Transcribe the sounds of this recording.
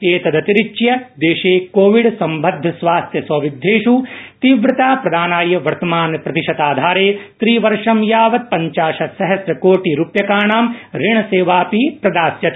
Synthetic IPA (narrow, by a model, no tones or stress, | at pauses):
eːt̪ɐd̪ɐt̪iɾit͡ʃjɐd̪eːʃeːkoːʋiɽsɐmbʱɐd̪ʱːɐsʋaːst̪ʰjɐsɐʋid̪ʱːeːʃut̪iʋɾɐt̪aːpɾɐd̪aːnaːjɐʋɐɾt̪ɐmaːnpɾɐt̪iʃɐt̪aːd̪ʱaːɾeːt̪ɾiːʋɐɾʂɐmjaːʋɐt̪̚pɐɲt͡ʃaːʃɐsɐɦɐsɾɐkoːʈiɾupjɐkaːɳaːmɾiɳ̃ɐseːʋaːpipɾɐd̪aːsjɐt̪